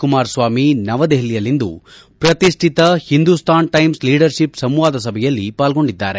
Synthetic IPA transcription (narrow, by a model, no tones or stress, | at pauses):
kumaːɾsʋaːminɐʋɐd̪eɦlijɐlːind̪ṵ | pɾɐt̪iʂʈʰit̪ɐhind̪ust̪ʰaːnʈɐjmsliːɖɐɾʃipsɐmʋaːd̪ɐsɐbʱɛjɐlːipaːlɡo̞ɳɖid̪ːaːɾe